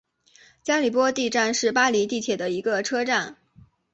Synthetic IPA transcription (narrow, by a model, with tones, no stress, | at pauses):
t͡ɕja˥li˨˩pwɔ˥t̪i˥˧ʈ͡ʂa˥˧nʂɻ̩˥˩pa˥li˧˥t̪i˥˩t͡ɕʰjɛ˨˩d̪ə˦i˧˥ɡə˧ʈ͡ʂʰɤ˥ʈ͡ʂa˥˩n